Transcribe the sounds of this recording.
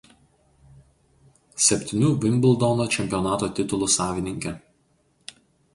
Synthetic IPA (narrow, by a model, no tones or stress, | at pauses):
sʲɛpʲt̪ʲɪnʲuːʋʲɪmʲbʲɪlˠˑd̪ɔnoːt͡ʃʲɛmʲpʲɪjɔnɑːt̪oːt̪ʲɪt̪ʊlˠʊsɑːʋʲɪnʲɪŋʲkʲɛ